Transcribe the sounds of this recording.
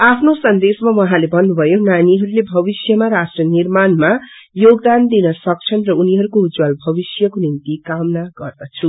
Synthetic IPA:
apʰnosʌnd̪esmawʌɦãlebʌnːubʱʌjonaniɦʌɾulebʱʌbisjʌmaɾasʈrʌnirmanma | joɡd̪and̪inʌsʌk̚t͡sʰʌnrʌuniɦʌɾukoud͡zwalbʱʌbisjʌkonint̪ikamnaɡʌrd̪ʌt͡sʰu

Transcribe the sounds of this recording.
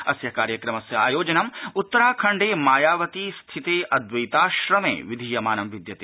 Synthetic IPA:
ɐsjɐkaːɾjɐkɾɐmɐsjɐa̰ːjoːd͡ʒɐnɐmut̪ːɐɾaːkʰɐɳɖeːmaːjaːʋɐt̪ist̪ʰit̪eːʔɐd̪ʋɐjt̪aːʃɾɐmḛːʋid̪ʱijɐmaːnɐmʋid̪jɐt̪e

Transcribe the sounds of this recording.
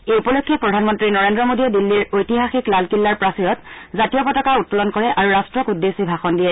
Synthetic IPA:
eupɔlokʰːɛpɹɔdʱanmɔntɹinɔɹendɹɔmodiɛdilːiɹojtiɦaxiklalkilːaɹpɹasijɔtzatijɔpɔtɔkaut̚tɔlɔnkɔɹɛʔaɹuɹastɹɔkudːesibʱaxɔndijɛ

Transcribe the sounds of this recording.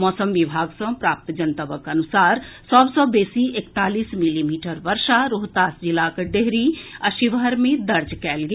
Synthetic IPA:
mɔːsəmʋibʱaːɡsə̃pɾaːp̚t̪d͡ʒənt̪əbəkənusaːɾsɔbsɔbeːsiekt̪aːlismilimiːʈəɾʋəɾʃaɾoɦt̪aːsd͡ʒilakɖeɦɾiəʃiʋəɾmẽd̪əɾd͡ʒkɛːlɡe

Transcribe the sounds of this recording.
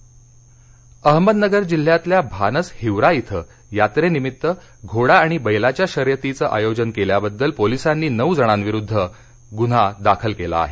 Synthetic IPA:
əɦməd̪nəɡəɾd͡ʑil̤ːjat̪ljabʱanəshiʋɾait̪ʰə | jat̪ɾenimit̪ːə | ɡʱoɽaːɽ̃ibəjlat͡ɕjaɕəɾjət̪it͡səːʔajod͡ʑənkeljabəd̪ːəlpolisanːiːnəwd͡zəɽ̃anʋiɾud̪ʱːə | ɡun̤ad̪akʰəlkela̰ːɦe

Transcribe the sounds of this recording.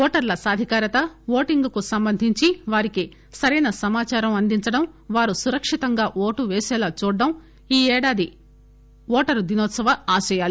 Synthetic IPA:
ɔːʈɐɾlɐsaːd̪ʱikaːɾɐt̪ɐʋoːʈiŋɡukusɐmbɐnd̪ʱiɲt͡ʃiʋaːɾiki | sɐɾɐjnɐsɐmaːt͡ʃaːɾɐmɐnd̪iɲt͡ʃɐɽɐm | ʋaːɾusuɾɐkʂit̪ɐŋɡaːʔoːʈuʋɛːsɛːlaːt͡ʃuːɖːɐm | iːɛːɽaːd̪i | ʋɔːʈɐɾud̪inɔːt̪sɐʋɐaːʃɐjaːli

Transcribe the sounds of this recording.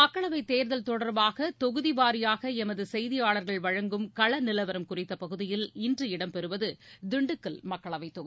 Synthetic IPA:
mɐkːɐɭɐʋɐɪt̪eːɾðɐlt̪ɔɽɐɾbaːɣɐt̪ɔɣɯðiʋaːɾɪjaːɣɐɛmɐðɯsɛjðɪjaːɭɐɾɣɐɭʋɐɻɐŋɡɯmkɐɭɐnɪlɐʋɐɾɐmkʊrɪt̪ːɐpɐɣɯðɪjɪlɪndrɯɪɽɐmpɛɾɯʋɐðɯd̪ɪɳɖɯkːɯlmɐkːɐɭɐʋɐɪt̪ːɔɣɯ

